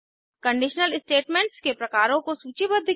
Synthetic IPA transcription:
kɐ̃ɳɖɪʃnəlɪsʈeːʈmẽɳʈskepɾɐkaːɾõkosuːt͡ʃibəd̪ʱːɪ

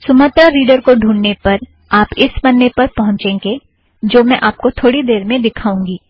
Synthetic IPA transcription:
sʊmət̪ɾaɾiːɖəɾkoɖʱũːɳnepɐɾ | aːpɪsmɐnːepɐɾpɐɦʊ̃ɲt͡ʃẽːŋɡe | d͡ʒoːmɛ̃ʔaːp̚kot̪ʰoːɽid̪eːɾmẽd̪ɪkʰaːũːŋɡiː

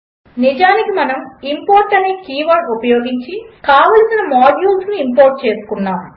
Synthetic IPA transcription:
nid͡ʒaːnikimɐnɐmimpoːɾʈɐneːkiːʋɐːnupɐjoːɡiɲt͡ʃikaːʋɐlsinɐmaːɖjuːlsnuimpoːɾʈ̚t͡ʃe̞ːsu̥kunːaːm

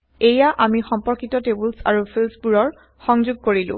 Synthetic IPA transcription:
ejaʔamixɔmpɔɹkitɔtebulsa̰ɹupʰilspuɹɔɹ | xɔŋzuɡ̚koɹilʊ̰̃

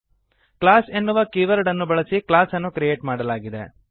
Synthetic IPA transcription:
klaːsenːuʋɐkiːʋɐɾɖɐnːubɐɭɐsiklaːsɐnːukɾijeːʈmaːɽɐlaːɡid̪ḛ

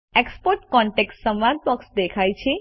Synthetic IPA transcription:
ekspoɾʈkɔɳʈeksʈsəmʋad̪̚bɔksd̪ekʰajt͡ʃʰe

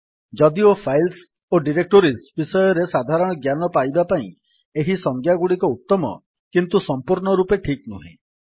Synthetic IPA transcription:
d͡ʒɔd̪iopʰajls | oɖiɾek̚ʈoɾisbisɔjɔɾesad̪ʱaɾɔɽ̃ɔɡjanɔpajbapaĩ | eɦisɔŋɡʰʱjaɡuɽikɔut̪ːɔmɔ̰ | kint̪usɔmpuɾɳɔɾupeʈʰiknuɦḭ̃

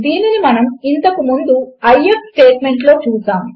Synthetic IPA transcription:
d̪iːninimɐnɐmint̪ɐkumund̪uɐjepsʈe̞ːʈmeɳʈlo̞ːt͡ʃuːsaːm

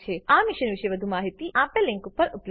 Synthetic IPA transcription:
t͡ʃʰeamiʃənʋiʃeʋəd̪ʱumaɦit̪iʔãpelɪ̃ŋkupəɾʔupl

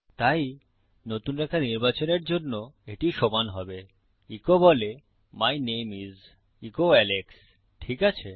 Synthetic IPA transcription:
t̪aj | not̪unɾɛkʰaniɾbat͡ɕoneɾd͡ʑonːoeʈiʃɔmanɦɔbe | ikobɔle | majnemiz | ikoɛleks | ʈʰikat͡ɕʰe

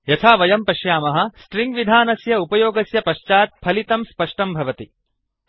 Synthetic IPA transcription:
jɐt̪ʰaːʋɐjɐmpɐʃjaːmɐɦɐ̆sʈɾiŋɡʋid̪ʱaːnɐsjɐupɐjoːɡɐsjɐpɐʃt͡ʃaːt̪̚pʰɐlit̪ɐmspɐʂʈɐmbʱɐʋɐt̪i

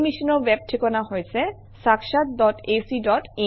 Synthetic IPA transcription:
miʃɔnoweb̚ʈʰekonaɦojt͡ɕʰe | sakʃat̪̚dɔʈesiɖɔʈe

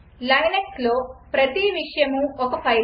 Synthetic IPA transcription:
lɐjneksloːpɾɐt̪iʋiʂɐjɐmuɔkɐpʰɐj

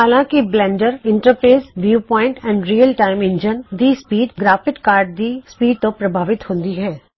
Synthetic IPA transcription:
ɦaːlãːkiblɛ̃ːɳɖəɾɪ̃ɳʈəɾpeːsʋjuːpɔːɪ̃ɳʈɛ̃ːɳɖɾiːəlʈaːɪ̃mɪ̃ɲd͡ʒənd̪ispiːɖɡɾaːfɪʈkaːɾɖ̚d̪ispiːɖ̚t̪opɾɐbʱaːʋɪt̪ɦõːnd̪iɦɛː

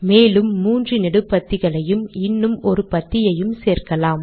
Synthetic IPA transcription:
meːlɯmːuːndrɯnɪɽɯpɐt̪ːɪɣɐɭɐjɯmɪnːɯmɔɾɯpɐt̪ːɪjɐjɯmseːrkɐlaːm

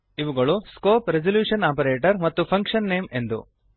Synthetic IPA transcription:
iʋuɡɐɭuskoːpɾed͡ʒɐljuːʂɐnaːpɐɾeːʈɐɾmɐt̪ːupʰɐŋkʂɐnːe̞ːme̞nd̪ṵ

